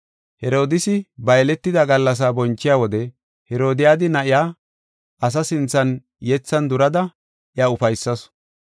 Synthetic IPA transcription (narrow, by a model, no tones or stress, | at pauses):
hɛɾo̞ːd̪ɪsɪbɐjlɛt̪ːɪd̪ɐɡɐlːɐs̬aːbɔnt͡ʃːɪjaːwɔd̪ɛ | hɛɾo̞ːd̪ɪjaːd̪ɪnɐʔɪjaː | ʔɐs̬ɐsɪnt͡sːɐn | jɛt͡sːɐnd̪ʊɾɐd̪ɐ | ʔɪɐʊfɐjsːɐs